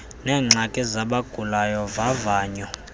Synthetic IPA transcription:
nɛːŋ͡ǁakʼɛzaɓaɡ̥ʱulajɔvavaːɲɔ

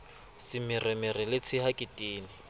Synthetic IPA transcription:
sɪmɪrɪmɪrɪlɪt͡sʰɪhakʼɪtʼiːnɪ

